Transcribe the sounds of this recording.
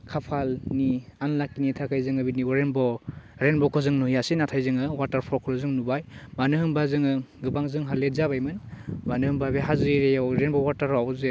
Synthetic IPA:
kʰapʰalnianlakːinitʰakʰajzɯŋɯbiniɔɾenbɔɾenbɔkʰɔzɯŋnuijasenatʰajzɯŋɯwataɾpʰɔkʰɔlzɯŋnubajbanɯɦɯmbazɯŋɯɡɯbaŋzɯŋɦalezabajmɯnbanɯhɯmbabeɦazɯjɾejawɾenbɔwaɾtaɾawze

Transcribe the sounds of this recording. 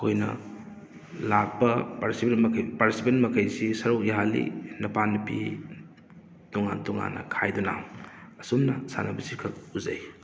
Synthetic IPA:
kʰojnɐ̰ | lak̚pɐpɾsʰpaɾsipenmɐkʰɐjsisɐɾokjaɦalḭnɐpanːɐpḭ | tɔŋa̰ntɔŋa̰nːɐ̰kʰajduna̰ŋɐsumnɐsa̰nɐbɐsiɾkʰɐluzɐ̰j

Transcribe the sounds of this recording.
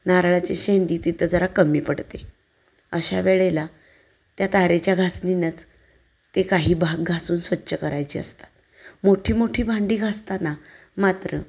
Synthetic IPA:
naɾɭat͡ɕeɕeɳd̪iːt̪it̪əd͡zəɾakəmiːpəɽt̪e | əɕa̰ʋeɭela | t̪jat̪aɾet͡ɕjaɡʱasninət͡s | t̪ekaɦiːbʱaɡɡʱasuːnsʋətːɕəkəɾajt͡ɕiːə̰st̪ḁt̪ | moʈʰiːmoʈʰiːbʱaɳɖiːɡʱast̪ana | mat̪ɾə̰

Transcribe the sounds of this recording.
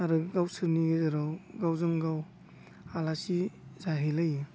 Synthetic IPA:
aɾɯɡawsɯɾniɡɯzaɾawɡawzɯŋɡaw | alasizaɦilajɯ

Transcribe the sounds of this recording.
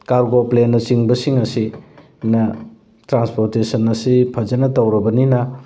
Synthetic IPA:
kaɾɡoplenːɐt͡ʃiŋbɐsiŋɐsi | nɐ | tɾanspoɾtesɐnɐsipʰɐd͡ʒɐnɐtɐwɾɐbɐninɐ

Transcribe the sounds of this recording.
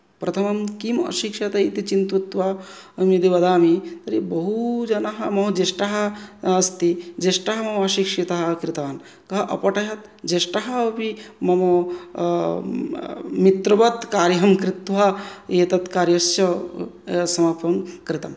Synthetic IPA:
pɾɐt̪ʰɐmɐmkimɐ̰ʃikʂɐt̪ɐit̪it͡ʃint̪ut̪ʋɐ | ɐmid̪iʋɐd̪aːmit̪ɐɾibɐɦud͡ʒɐnɐɦɐmɐɦud͡ʒeʃʈɐɦɐːst̪id͡ʒeʃʈɐɦɐmɐmɐʃikʂit̪ɐɦɐkɾit̪aːn | kɐɦɐʔɐpɐʈɐɦɐt̪ | d͡ʒeʃʈɐɦɐʋimɐmo | mit̪ɾɐʋɐt̪kaːɾjɦɐmkɾɪt̪ʋɐjeːt̪ɐt̪kaːɾjɐsjɐ | sɐmɐpɐmkɾɪt̪ɐm

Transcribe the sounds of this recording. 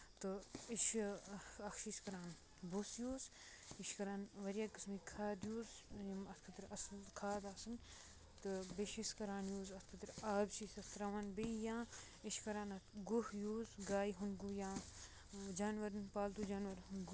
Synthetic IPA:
t̪ɨiʃ | ɐkʃiskɐɾãːn | busjoːz | iʃkɐɾaːnʋɐɾijaːkɨsmiːkʰaːd̪joːzjimɐt̪ʰkʰɐt̪ɾɐskʰaːd̪aːsɨn | t̪ɨbeʃiskɐɾaːnjoːzɐt̪ʰkʰɐt̪ɾaːbsisɐst̪ɾɐʋɐnbijãː | iʃkɐɾãːnɐt̪ʰɡuhjuːzɡaːjiɦunɡujãː | d͡ʒaːnʋɐɾɨnpaːlt̪uːd͡ʒaːnʋɐɾnɡ

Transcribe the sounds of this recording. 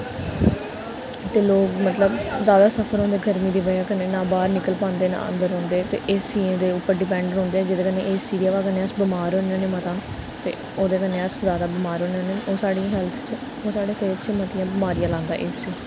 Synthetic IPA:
t̪eːloːkmət̪ləbzaːd̪aːsəpʰəɾɦõːnd̪eːɡəɾmiːd̪iːʋəd͡ʒaːkəneːnãːbaːɾnɪkəlpãːnd̪eːna̰ːə̰̃nd̪əɾɦõːnd̪eːt̪ḛːʔɪːsːĩːd̪eːʊpːəɾɖɪpɛ̃ːɳɖənɦõːnd̪eːɛːd͡ʒed̪eːkəneːʔeːsiːd̪ijaːʋaːkəneːəsbɪmaːɾɦõːnãːneːmət̪ãː | t̪ḛː | oːd̪eːkəneːəszjaːd̪aːbɪmaːɾɦõːnaːneːoːsaːɽĩɦɛlt̪ʰt͡ʃ | oːsaːɽeːseːt͡ʃmət̪ɪjãːbɪmaːɾijãːlãːnd̪a̰ːʔeːsiː

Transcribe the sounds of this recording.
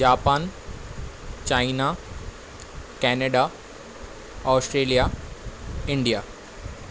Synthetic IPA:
d͡ʑaːpan | t͡ɕaina | kɛneɖa | ɔːsʈɾeːlija | ɪɳɖija

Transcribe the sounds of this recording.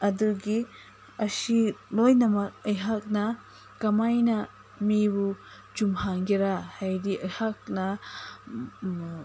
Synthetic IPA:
ɐduɡi | ɐsilojnɐmaɾəjɦak̚na | kɐmajna | mibu | d͡ʒumhaŋɡiɾahajdiʔɐjhak̚na

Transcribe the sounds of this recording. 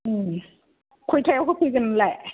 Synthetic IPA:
ʔɯːm | kʰujt̪ʰɛːwkʰakʰujkanlɛʔ

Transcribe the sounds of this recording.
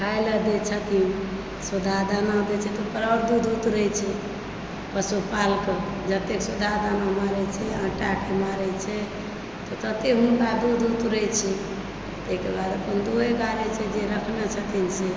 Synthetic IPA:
kʰajləd̪et͡ʃʰət̪in | sud̪ʱad̪anad̪ɛt͡ʃʰɛt̪ɔpəɾaɾd̪ud̪ut̪ɾəɛt͡ʃʰɛ | pəsupalked͡ʒət̪eksud̪ʱad̪anamaɾɛt͡ʃʰɛə̃ʈakemaɾɛt͡ʃʰɛ | t̪ɔt̪ət̪ekɦunɖad̪ud̪ut̪ɾət͡ʃʰɛ | ət̪ekebad̪əpənd̪oɦeɡaɾet͡ʃʰɛd͡ʒeɾəkʰnet͡ʃʰət̪inse

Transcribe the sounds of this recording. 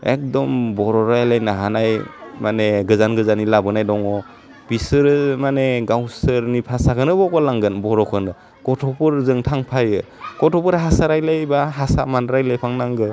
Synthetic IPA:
ḛk̚dɔmbɔɾɔɾajlajnaɦanajmaneɡɯzanɡɯzanilabɯnajdɔŋɔ | bisɯɾmaneɡawsɯɾnipʰasakʰɯnɯbɔkɔlaŋɡɯnbɔɾɔkʰɯnɯ | kɔtʰɔpʰɯɾzɯŋtʰaŋpʰajɯkɔtʰɔpɯɾɦasaɾajlajbaɦasamanɾajlajpʰaŋnaŋɡɯ

